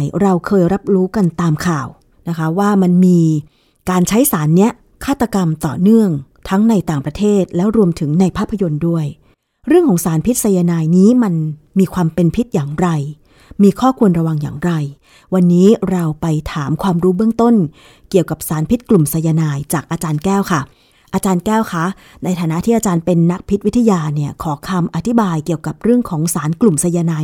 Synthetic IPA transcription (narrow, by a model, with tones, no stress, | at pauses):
jɾa˧wkʰɤː˧jɾa˦˥p̚ɾuː˦˥ka˧nt̪aː˧mkʰaː˨˩w | na˦˥kʰa˦˥waː˥˩ma˧nmiː˧ | kaː˧nt͡ɕʰa˦˥jsaː˩˦nːi˦˥ɐ | kʰaː˥˩t̪ːa˧ka˧mt̪ɔ̰ː˨˩nɯ˥˩əŋt̪ʰa˦˥ŋna˧jt̪aː˨˩ŋpɾa˧t̪ʰeː˥˩t̪̚lɛː˦˥wɾu˧əmt̪ʰɯ˩˦ŋna˧jpʰaː˥˩pʰːa˧jo˧ndu˥˩əj | ɾɯ˥˩əŋkʰɔː˨˩˦ŋsaː˩˦npʰi˦˥t̪̚sa˧ja˧naː˧jniː˦˥ma˧nmiː˧kʰwaː˧mpe˧npʰi˦˥t̪̚jaː˨˩ŋɾa˧j | miː˧kʰɔː˥˩kʰu˧ənɾa˧wa˧ŋja̰ː˨˩ŋɾa˧j | wa˧nːiː˦˥ɾa˧wpa˧jt̪ʰaː˩˦mkʰwaː˧mɾuː˦˥bɯ˥əŋt̪o˥˩n | ki˨˩əwka˨˩p̚saː˩˦npʰi˦˥t̪̚klu˨˩msa˧jaː˧naː˧jt͡ɕaː˨˩k̚ʔaː˧t͡ɕaː˧nkɛː˥˩wkʰa˥˩ | ʔaː˧t͡ɕaː˧nkɛː˥˩wkʰa˦˥ | na˧jt̪ʰaː˨˦na˦˥t̪ʰiː˥˩ʔaː˧t͡ɕaː˧npe˧nːa˦˥k̚pʰi˦t̪̚wi˦˥t̪ʰa˧jaː˧ni˥˩ɐkʰɔː˩˦kʰa˧mʔa˧˩t̪ʰi˦˥baː˧jki˨˩əwka˨˩p̚ɾɯ˥˩əŋkʰɔː˩˦ŋsaː˩˦nklu˨˩msa˧jaː˧naː˧j